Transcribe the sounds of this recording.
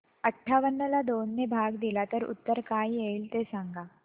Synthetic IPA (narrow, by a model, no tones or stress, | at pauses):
əʈʰːaʋənːəlad̪onːebʱaɡd̪ilat̪əɾṵt̪ːəɾkaijeiːlt̪esãŋɡa